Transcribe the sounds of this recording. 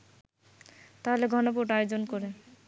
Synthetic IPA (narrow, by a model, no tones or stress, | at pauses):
t̪aɦoleɡʱɔnopuɾʈajod͡ʑonkoɾe